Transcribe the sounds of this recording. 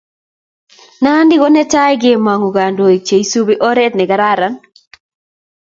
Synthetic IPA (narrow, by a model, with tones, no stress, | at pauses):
na˦ndɪ˦ko˦nɛ˦ta˦jɡɪ˦˨ma˨ŋu˨ɡa˨ndo˨i˨t͡ʃe˨i˦su˦bi˦ʔɔ˦ɾɛ˦t̚nɪ˨ɡa˨ɾa˦ɾa˦n